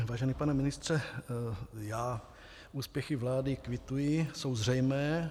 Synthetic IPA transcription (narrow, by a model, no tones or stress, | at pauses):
vaːʒɛnipanɛmɪnɪst̪r̝̥ɛ | jaː | ʔuːspjɛxɪvlaːdɪkvɪt̪ujɪsowzr̝ɛjmɛː